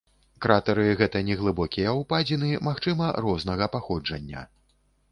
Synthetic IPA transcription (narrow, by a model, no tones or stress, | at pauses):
kɾat̪ɐɾɨɣɛt̪ɐnʲɛɣlˠɨbɔkʲijɐwpad͡zʲinɨmaxt͡ʂɨmɐɾɔznɐɣɐpaxɔd͡ʐɐnʲːɐ̰